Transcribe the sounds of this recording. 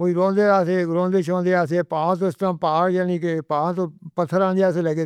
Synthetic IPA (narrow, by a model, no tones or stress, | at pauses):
oiːɾõːnd̪eːaːseɡɾõːnd̪eːʃõːnd̪eːaːseːpãːt̪̬ostãːmpaːɽjaːniːkepãːt̪õːpət̪ʰːəɾãːnd̪eaːseləɡeː